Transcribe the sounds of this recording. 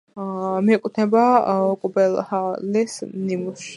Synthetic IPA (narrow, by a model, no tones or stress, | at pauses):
miɛkʼut̪ʰnɛbakʼubɛlhalisnimuʃ